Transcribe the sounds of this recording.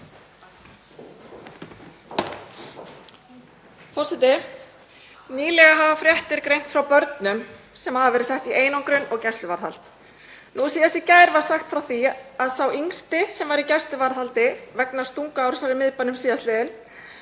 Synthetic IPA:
fɔr̥sɛt̪ɪ | niːlɛɣaɦavafɾjɛht̪ɪɾkɾejm̥t̪fɾawpœɾt̪nʏm | sɛmhaðavɛːɾɪ̥sɛht̪iʔeːjnɔŋkɾʏnɔɣcɛst̪lʏvaɾ̥θal̥t̪ | nusiːjast̪icaːjɾvaɾ̥saxt̪fɾawθiaðsawiŋst̪ɪsɛmvaɾicɛst̪lʏvaɾθalt̪ɪvɛknḁst̪uŋkaawɾ̥ɛsaɾɪmɪðpanʏmsiːðast̪lɛːðɪn

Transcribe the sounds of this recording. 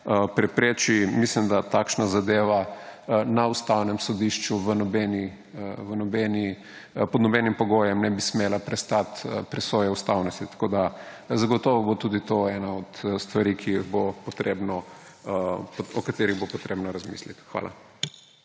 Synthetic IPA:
pɾɛpɾeːt͡ʃimislimd̪at̪aːkʃnazad̪eːʋa | naust̪awnɛmsɔd̪iʃt͡ʃuʋənɔbɛni | ʋənɔbɛni | pɔd̪nɔbɛnimpɔɡojɛmnɛbismeːlapɾɛst̪at̪pɾɛsoːjɛust̪awnɔst̪it̪ḁkod̪a | zaɡɔt̪ɔʋɔbot̪uːd̪it̪oɛnaɔt̪st̪ʋaɾikʰijiɣbopɔt̪ɾebnɔ | pɔkat̪eːɾiɣbopɔt̪ɾeːbnɔɾazmḭslit̪xʋa̰la̰

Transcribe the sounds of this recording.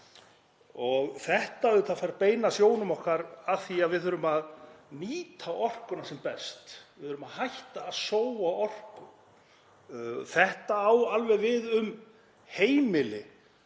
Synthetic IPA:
ɔɣθɛht̪aðʏt̪ʰafajɾpeːjnasjoːwnʏmɔhkaɾaθiaðvɪðœɾʏmaðniːt̪ʰawɔr̥kʏnasɛmpɛst̪vɪðʏɾʏmaðhajht̪aːðsowaɔr̥kʏ | θɛht̪aːwalvɛðvɪðʏm | heːjmɪlɪ

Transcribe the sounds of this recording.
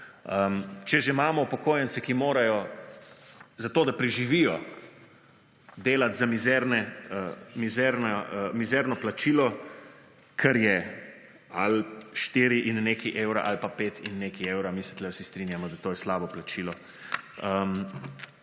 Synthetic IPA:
əmt͡ʃɛʒemaːmɔupɔkoːjɛnt̪sɛkimoːɾajɔ | zat̪oːd̪apɾiʒiʋijɔ | d̪eːlat̪zamizɛɾnɛəmizɛɾnamizɛɾnɔplat͡ʃiːlɔ | kʰɛɾjɛ | alʃt̪iɾiʔinːekiʔeːwɾa̰ʔalpapeːt̪inːeːkieːwɾamisɛ̥t̪lɛwsist̪ɾinjamɔd̪at̪oːjɛslaːbɔplat͡ʃilɔ | əm

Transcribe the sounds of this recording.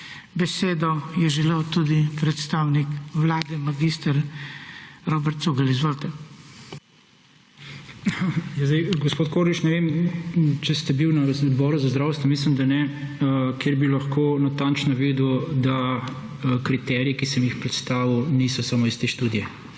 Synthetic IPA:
bɛseːd̪ɔjɛʒɛlewt̪ud̪ipɾɛt̪st̪awnikʋlaːd̪ɛmaɡist̪əɾ | ɾoːbɛɾt̪suɡɐlizʋoːlt̪ɛ | jazd̪ɛjɡospoːt̪koːɾlit͡ʃnɛʋem | t͡ʃɛst̪ɛbiwnɐd̪bɔːɾuzazd̪ɾaːwst̪ʋɔmis̬limd̪anɛ | kjeɾbilɐxkoːnat̪ant͡ʃnɔʋiːd̪ud̪a | kɾit̪ɛɾijɛkisɛmjixpɾɛt̪st̪aːʋiwniːsɔsamoist̪eːʃt̪uːd̪ijɛ

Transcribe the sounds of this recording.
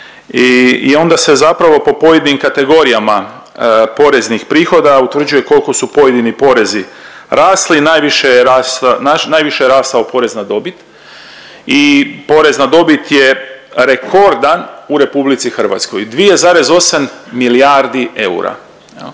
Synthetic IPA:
iḭo̞nd̪ase̞zapɾaʋo̞po̞po̞jed̪inimkat̪e̞ɡo̞ɾijama | po̞ɾe̞znixpɾiːxo̞d̪aut̪ʋr̩d͡ʑuje̞ko̞lko̞supo̞je̞d̪inipo̞ɾe̞zi | ɾʔaːslinaːjʋiʃejeɾaːst̪ananaːjʋiʃejeɾaːst̪aopo̞ɾe̞znad̪o̞bit̪ | ipo̞ɾe̞znad̪o̞bit̪je̞ɾe̞kʰo̞ɾd̪anuɾe̞publit̪sixr̩ʋa̰t̪sko̞̰jd̪ʋije̞zaːɾe̞zo̞samːilijaɾd̪ie̞ṵɾa̰ | jḛl

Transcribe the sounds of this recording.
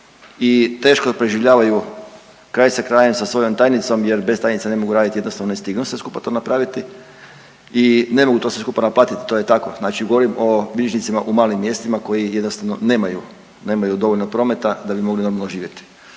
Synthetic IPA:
it̪e̞ːʃkopɾeʒiʋʎaːʋaju | kɾaːjsakɾaːjemsasʋo̞jo̞mt̪aːjnit̪so̞mjeɾbe̞st̪aːjnit̪sane̞mo̞ɡuɾaːd̪it̪ije̞d̪nost̪aʋnonest̪iɡnusʋe̞skupat̪o̞napɾaːʋit̪i | ine̞mo̞ɡut̪o̞sʋeskupanaplˠaːt̪it̪i̥t̪o̞je̞t̪ako̞znaːt͡ʃiɡo̞ʋo̞ɾimo̞bieʒnit̪simaʔumaːlimːje̞st̪imako̞jije̞d̪nost̪aʋno̞ne̞ːmaju | ne̞ːmajud̪o̞ʋolnopɾo̞ːmet̪ad̪abimo̞ɡlino̞ɾmalˠnoʒiːʋje̞t̪i̥

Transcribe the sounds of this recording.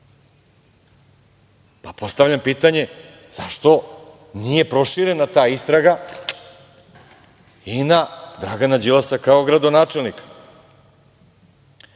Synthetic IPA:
papo̞st̪aʋʎampiːt̪aɲe̞ | z̥aʃt̪o̞ | nije̞pɾo̞ʃiɾe̞nat̪aːist̪ɾaɡa | inad̪ɾaɡanad͡ʑilˠasakao̞ɡɾad̪o̞naːt͡ʃe̞lˠnik

